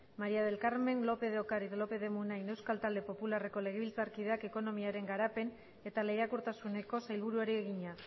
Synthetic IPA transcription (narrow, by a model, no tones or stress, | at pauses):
maɾiaðe̞lkaɾme̞nlo̞pe̞ðeokaɾiðlo̞pe̞ðe̞munajne̞wskalt̪ald̪e̞po̞pulare̞ko̞le̞ɣeβilt͡saɾkið̞eake̞ko̞no̞miaɾe̞ŋɡaɾape̞n | e̞t̪ale̞jakuɾt̪asune̞ko̞sajlβ̞uɾuaɾieɣ̞iɲa